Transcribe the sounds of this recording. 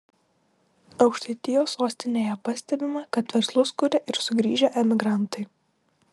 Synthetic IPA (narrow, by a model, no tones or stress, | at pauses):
ɒʊkʃt̪ɐɪt̪ʲɪjoːsoːsʲt̪ʲɪnʲeːjɛpɐsʲt̪ʲɛbʲɪmɐkɐt̪ʋʲɛɾslˠʊskʊɾʲɛʔɪɾsʊɡɾʲiːʒʲɛʔɛmʲɪɡɾɑnt̪ɐɪ